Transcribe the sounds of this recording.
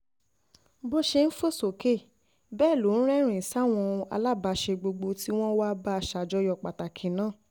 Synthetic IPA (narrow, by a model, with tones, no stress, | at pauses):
bo˦ʃe˧n̩˦fo˦˨so˨ke˦˨ | bɛː˦˨lo˨˦ñ̩˦ɾɛ˦˨ɾ̃ĩ˨sa˦˨w̃ɔ̃˧a̰˧la˦˨ba˨˧ʃe˧ɡ͡bo˧ɡ͡bo˧ti˦w̃ɔ̃˦wa˦ba˦a˧˨ʃa˨d͡ʒɔ˧˦jɔ˧˨k͡pa˨ta˨kʰĩ˨nãː˦˨